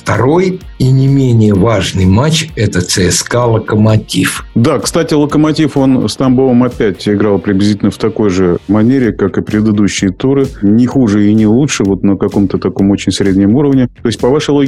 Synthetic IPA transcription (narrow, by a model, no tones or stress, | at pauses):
ft̪ɐɾo̞j | inʲɪmʲenʲɪjəvaʐnɨjmat͡ɕɛt̪ət̪sɨɛskalˠəkəmɐtʲifd̪akst̪atʲɪlˠəkəmɐtʲifo̞nst̪ɐmbolˠəmɐpʲætʲɪɡɾɑlˠpɾʲɪblʲɪzʲitʲɪlʲnəft̪ɐko̞jʐɨmɐnʲeɾʲɪkakɨpɾʲɪd̪ɨd̪uɕːɪɪt̪uɾɨnʲɪxuʐɨɪnʲɪlˠutʂɨvo̞t̪nəkɐko̞mt̪ət̪ɐko̞mo̞t͡ɕɪnʲsɾʲedʲnʲɪmuɾəvnʲɪt̪oɪsʲt̚ʲpɐvaʂɨjlˠo